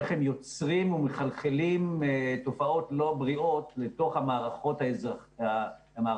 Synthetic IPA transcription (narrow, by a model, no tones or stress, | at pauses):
eχemjo̞t͡sʁimumeχalχelimto̞fao̞tlo̞bʁio̞tleto̞χhamaːʁaχo̞thaza | ama